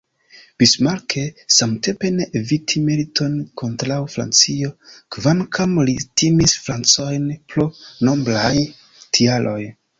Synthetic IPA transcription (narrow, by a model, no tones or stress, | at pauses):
b̥ismalkʰe̞samte̞mpe̞neʔevitʰimelitʰo̞nkʰo̞ntɾawfɾa̰nt͡sio̞kvankʰamlitimisfɾant͡so̞jnpɾono̞mblaj | tʰialʔo̞j